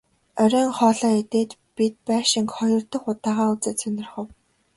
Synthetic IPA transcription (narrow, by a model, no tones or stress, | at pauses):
œɾʲœːŋχɔːɮɔːet̪eːt̪pit̪̚pæːʃɪ̆ŋkχɔjɞ̆rt̪ɞ̆χʊt̪aːʁaːut͡sɘ̆t͡sʰɵnʲɪ̆rχə̆w